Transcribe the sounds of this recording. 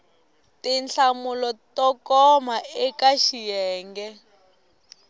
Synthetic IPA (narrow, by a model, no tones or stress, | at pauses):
tinɬamulɔtɔkɔmaɛkaʃijɛːŋɡɛ